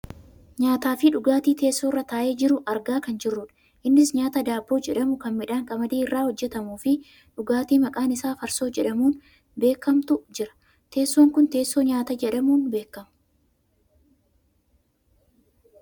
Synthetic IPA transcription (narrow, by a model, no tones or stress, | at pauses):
ɲaːt̪aːfɪᶑʊɡaːt̪iːt̪e̞ːsːo̞ːrːɐt̪aːʔe̞ːd͡ʒɪɾʊʔɐɾɡaːkɐnd͡ʒɪrːʊᶑɐ̥ | ʔɪnːɪsɲaːt̪ɐd̪aːbːo̞ːd͡ʒɛᶑɐmʊkɐnmɪᶑaːŋkʼɐmɐd̪eːɪrːaːhɔd͡ʒːɛt̪ɐmuːfɪ | ᶑʊɡaːt̪iːmɐkʼaːnɪsaːfɐɾso̞ːd͡ʒɛᶑɐmuːn | be̞ːkːɐmt̪ʊd͡ʒɪɾɐ̥ | t̪e̞ːsːo̞ːŋkʊnt̪e̞ːsːo̞ːɲaːt̪ɐd͡ʒɛᶑɐmuːnbe̞ːkːɐmʊ̥